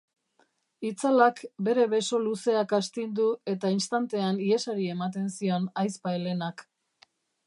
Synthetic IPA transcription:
it͡salakbe̞ɾe̞βe̞so̞luse̞akast̪ind̪ue̞t̪ainst̪ant̪e̞anie̞saɾie̞mat̪e̞nsio̞najspajle̞nak

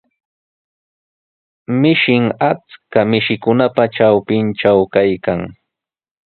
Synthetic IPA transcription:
mɪʃɪŋat͡skamɪʃɪkʊnapaʈ͡ʂawpɪnʈ͡ʂawkajkaŋ

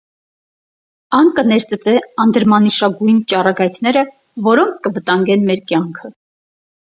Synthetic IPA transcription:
ɑnkənɛɾt͡sət͡sɛɑnd̪əɾmɑniʃɑɡujnt͡ʃɑrɑɡɑjt̪ʰn̪ɛɾə | vɔɾɔŋkʰːəvət̪ɑŋɡɛnmɛɾkjɑŋkʰə

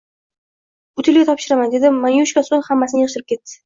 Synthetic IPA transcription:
ʊt̪ʰɪlɡʲat̪ʰɒpʃɪɾamand̪e̞d̪ɪmanjuʃkʲasoŋhamːasɪnɪjɨʁʃɪɾɪpkʰʲe̞t̪ːɪ̥

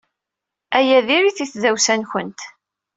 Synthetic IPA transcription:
æjæðiɾiθiθðæwsænçənt̪

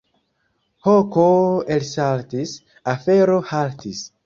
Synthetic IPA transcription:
hokoelsaltis | afeɾohaltis

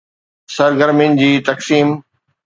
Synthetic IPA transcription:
sɐɾɡəɾmɪnd͡ʑiːt̪ɐksiːm

